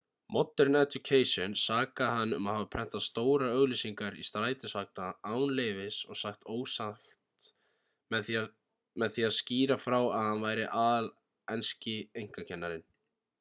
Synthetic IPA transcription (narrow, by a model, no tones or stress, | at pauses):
mɔt̪ːɛɾnɛt̪ukʰeːjsjɔnsaːkahanːʏ̰maðhavapʰɾɛn̥t̪aðst̪oːwɾaœɣlisiŋkaɾḭst̪ɾaːjt̪ɪsvak̚naaːwnleːjvɪsɔɣsaxt̪oːwsaxt̪ | mɛθ | mɛðθiːaðsciːɾafɾawaðhanvaːjɾɪʔaːðl | ɛnscɪejŋ̥kacʰɛnːaɾɪn